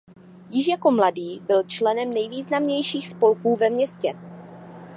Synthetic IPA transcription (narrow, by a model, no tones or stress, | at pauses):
jɪʃjako̞mladiːbɪlt͡ʃlɛnɛmnɛjviːznamɲɛjʃiːxspo̞lkuːvɛmɲɛscɛ